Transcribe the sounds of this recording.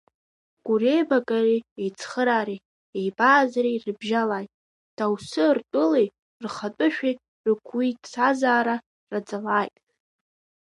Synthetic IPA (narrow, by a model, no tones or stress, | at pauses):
ɡ̥ʷurejbakʼariejt͡sʰχəɾaːɾi | ejbaːzrirɨbʒalaːjtʼ | d̥awsɨrtʷʼʊlej | rχatʼʊʃᶣej | rɨkʷʰwitʼsazaːɾa | rad͡zalaːjtʼ